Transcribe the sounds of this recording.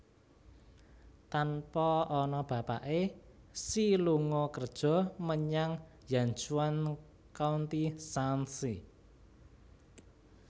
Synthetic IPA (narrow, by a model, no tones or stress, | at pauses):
t̪anpɔːnɔb̥ä̤paʔesiluŋɔkərd̥ʒ̥ɔ̤məɲaŋ | jaɲt͡ʃuan | kaunt̪isansi